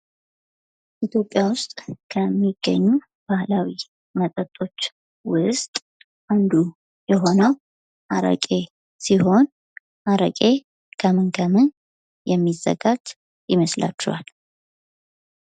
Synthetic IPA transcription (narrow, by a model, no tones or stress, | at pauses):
ʔit̪ʰjo̞pʼːjawʊst̪ʼkʰəmːiɡ̥ːəɲːu | b̥ahlawi | mət̪ʼət̪ʼːo̞t͡ʃː | wʊst̪ʼ | ʔand̪u | jɛɦo̞nəw | ʔaɾə̰kʼe̞ | siho̞n | ʔaɾə̰kʼe̞ | kʰəmɨŋɡʰəmɨn | jɛmːizːə̰ɡad͡ʒ | jɪməsla̰t͡ʃːɛ̰ha̰l